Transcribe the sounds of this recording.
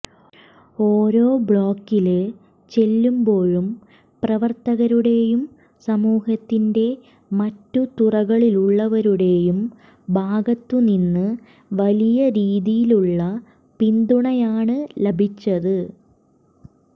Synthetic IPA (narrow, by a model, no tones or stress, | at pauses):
oːɾo̞ːbɭo̞ːkːilɨ | t͡ɕe̞lːumbo̞ːɻum | prɐʋɐrt̪ɐɣɐɾuɽe̞jum | sɐmuːhɐt̪ːinde̞ | mɐtːut̪urɐɣɐɭiluɭːɐʋɐɾuɽe̞jum | bʱaːɡɐt̪ːuninːɨ | ʋɐlijɐɾiːðijiluɭːɐ | pind̪uɳɐjaːɳɨlebʱit͡ɕːɐðɨ